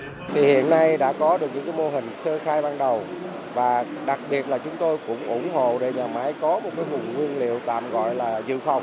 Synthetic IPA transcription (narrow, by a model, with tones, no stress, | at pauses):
t̪ʰi˨˩hḭ˧˨ənːa˧jɗa̰ː˧˥kɔ˨˦ɗɨ˨˩k̚ɲɨ̰˧˥ŋkaː˨˦jmo˧ɦï˨˩ŋ̟səː˧xaː˧jɓaː˧nɗə˨˩w | vaː˨˩ɗa˨˩k̚ɓi˨˩ət̚laː˨˩t͡ɕʊ˨˦ŋ͡mt̪o˧jkʊ̰˧˥ŋ͡mʔʊ̰˧˩ŋ͡mɦo̰˧˨ɗe˧˩ɲaː˨˩ma˨˦jkɔ˨˦mo˨˩t̚kaː˨˦jvʊ˨˩ŋ͡mŋwi˧ənlḭ˧˨əwt̪a̰ː˧˨mɣɔ̰˧˨jlaː˨˩zɨ̰˧˨fa˨˩wŋ͡m